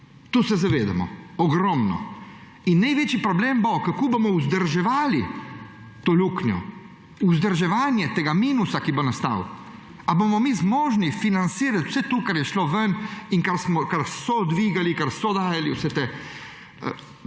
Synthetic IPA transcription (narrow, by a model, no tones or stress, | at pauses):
t̪uːsɛzaʋeːd̪a̰mɔ̰ɔɡɾɔmnɔ̰ | inːajʋeːt͡ʃipɾɔbleːmbokakoːbomɔuzd̪əɾʒɛʋaːli | t̪oːluːknjɔ̰ | uzd̪əɾʒɛʋaːnjɛt̪eːɡamiːnusakibonast̪a̰w | abomɔmiːzmɔːʒnifinant̪siːɾat̪w̥sɛt̪ukaɾjɛʃloʋəniŋkaɾsmɔkaɾsɔd̪ʋiːɡalikaɾsɔd̪aːjaliwsɛt̪eː | ə̰